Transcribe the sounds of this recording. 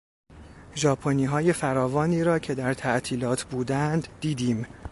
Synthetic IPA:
ʒɒːpʰoniːɦɒːje̞fæɾɒːvɒːniːɾɒːcʰe̞d̪æɾt̪ʰæʔt̪ʰiːlɒːt̪ʰbuːd̪ænd̪ːiːd̪iːm

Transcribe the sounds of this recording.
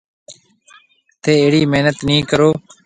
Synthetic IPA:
t̪eːeːɽiːmeɦnət̪nĩːkəɾoː

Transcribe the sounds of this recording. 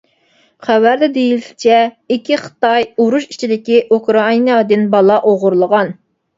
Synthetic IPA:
χæwæɾd̪ɛd̪ejilʃt͡ʃʰɛ | ikʲʰiχə̥t̪ɑjuɾuʃi̥t͡ʃʰid̪ɪkʲiʔukɾɑinɑd̪ɪnbɑlˠɑʔoʁʊɾlˠəʁɑn

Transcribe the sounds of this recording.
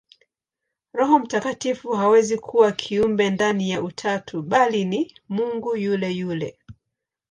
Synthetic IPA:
ɾɔɦɔm̩takatifuɦawɛzikʰuwakʰiumbɛndanijaʔutʰatʰuɓalinimuŋɡujulɛjulɛ

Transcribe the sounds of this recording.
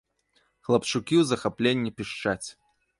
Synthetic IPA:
xlˠɐpt͡ʂukʲiwzɐxaplʲenʲːipʲiʂt͡ʂat͡sʲ

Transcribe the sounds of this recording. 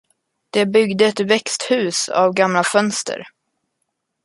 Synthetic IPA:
d̪̥ɛbʏɡd̪əɛt̪vɛkst̪hʉ̟ːsa̰vɡamlafœnst̪ʰə̰ɾ

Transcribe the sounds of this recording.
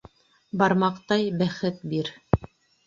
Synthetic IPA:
bɑɾmɑqt̪ɑjbæχɘt̪̚biɾ

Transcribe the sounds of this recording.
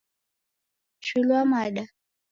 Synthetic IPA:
ʃuluamaɗa

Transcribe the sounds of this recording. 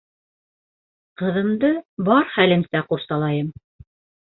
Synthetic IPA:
qɤ̆ðɤ̆md̪ɤbɑɾχælɘ̆msæquɾsɑlˠɑjɤm

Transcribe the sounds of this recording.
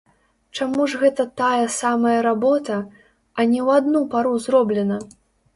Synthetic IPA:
t͡ʂamuʐɣɛt̪ɐt̪ajɐsamɐjɐɾabɔt̪ɐ | ɐnʲɛwad̪nupaɾuzrɔblʲɛnɐ

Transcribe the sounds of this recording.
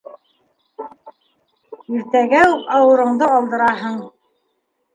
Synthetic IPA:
iɾt̪æɡæupɑwɤ̆ɾɤ̆ɴd̪ɤɑlˠd̪ɤ̆ɾɑɦɤɴ

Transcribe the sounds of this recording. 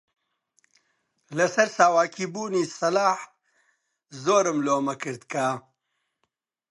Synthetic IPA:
lɐsɐɾsaːwaːkʰiːbuːniːsɐlaːħ | zoːɾɨmloːmɐkɨɾd̪kaː

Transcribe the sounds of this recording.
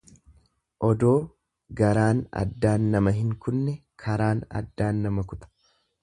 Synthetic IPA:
ʔɔd̪o̞ː | ɡɐɾaːnɐ̰d̪ːaːnːɐmɐɦɪŋkʊnːɛkʰɐɾaːnɐ̰d̪ːaːnːɐmɐkʊt̪ɐ̥

